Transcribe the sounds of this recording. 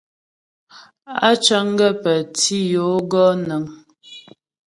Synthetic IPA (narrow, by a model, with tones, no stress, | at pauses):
a̰˦t͡ʃə˦ŋ˦ɡə˦˨pə˨tʰi˦jo˨˦ɡɔ˦nə˨ŋ